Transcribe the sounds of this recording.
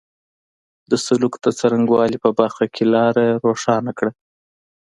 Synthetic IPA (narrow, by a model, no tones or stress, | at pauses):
d̪əsʊlukd̪ət͡saɾaŋɡwɑlipəbaɾxakʰelɑɾaɾoʂɑnakɽa